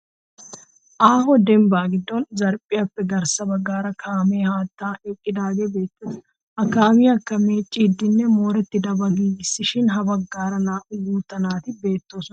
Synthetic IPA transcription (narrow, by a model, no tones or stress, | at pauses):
ʔaːhɔd̪ɛmbaːɡɪd̪ːɔnzɐɾpʼɪjɐpːɛɡɐɾsɐbɐɡːaːɾɐkʰaːmeːhaːt̪ːaːʔɛkʼːɪd̪aːɡebe̞ːt̪ːʊs | ʔɐkːaːmɪɐkːɐmeːt͡ʃʼːiːd̪ːɪnːɛmoːɾɛt̪ːɪd̪ɐbɐɡiːɡɪsːɪʃɪnɦɐbɐɡːaːɾɐnaːʔʊɡuːt̪ːɐnaːt̪ɪbe̞ːt̪ːo̞ːsɔn